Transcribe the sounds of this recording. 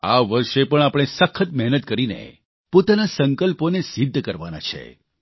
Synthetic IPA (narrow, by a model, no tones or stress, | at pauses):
a̰ʋəɾʃepəɳapɽ̃esəkʰət̪mɛɦnət̪̚kəɾinḛ | pot̪anasəŋkəlponesid̪ʱːkəɾʋa̰na̰t͡ʃʰḛ